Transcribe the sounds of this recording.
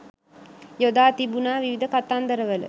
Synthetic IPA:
jod̪aːt̪ibunaːʋiʋid̪əkat̪and̪əɾəʋələ̰

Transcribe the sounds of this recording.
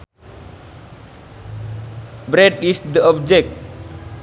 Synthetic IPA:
bɾɛdisd̪əɔbd͡ʒɛk̚t̚

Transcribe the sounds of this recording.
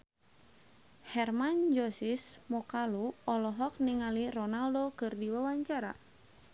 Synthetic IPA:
hɛrmand͡ʒɔsismɔkaluɔlɔɦɔk̚niŋalirɔnaldokɨrdiwawaɲt͡ʃaɾa̰

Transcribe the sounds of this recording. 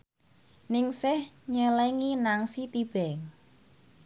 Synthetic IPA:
nɪŋsɪhɲəlɛŋinaŋsit̪ib̥ɛŋ

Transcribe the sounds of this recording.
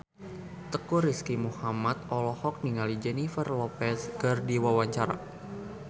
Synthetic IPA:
t̪əkuriskimuhamat̪̚ɔlɔhɔk̚niŋalid͡ʒɛnifərlɔpɛsɡərdiwawaɲt͡ʃaɾa̰

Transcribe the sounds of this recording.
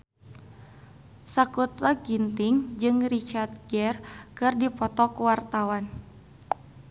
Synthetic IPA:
sakut̪aɡint̪ɪŋd͡ʒɨŋrit͡ʃart̪̚ɡɛrkɨrdipɔt̪ɔkuwart̪awan

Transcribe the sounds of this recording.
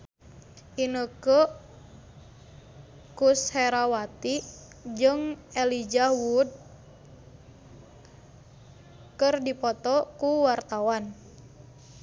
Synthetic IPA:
ʔinəkə | kushɛɾawat̪i | d͡ʒɨŋɛlid͡ʒawud̚ | kərdipɔt̪ɔkuwart̪awan

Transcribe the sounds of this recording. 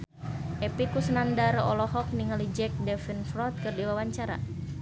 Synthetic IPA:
ʔɛpikusənandarɔ̰lɔɦɔk̚niŋalid͡ʒɛk̚dɛfinfɾɔt̪̚kɨrdiwawaɲt͡ʃaɾa̰

